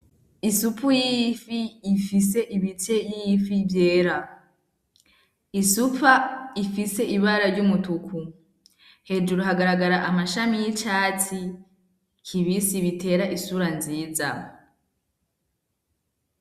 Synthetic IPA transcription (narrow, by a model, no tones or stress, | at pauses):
isupujijfiːfise̞ʔiβit͡ʃe̞jijifivje̞ːɾa | isupaifise̞ʔiβaɾaɾɟumutukʰu | he̞d͡ʒuɾuɦaɡaɾaɡaɾaʔamaʃamijit͡ʃaːt͡si | kʰiβisiβitʰe̞ːɾaʔisuɾanziːza̰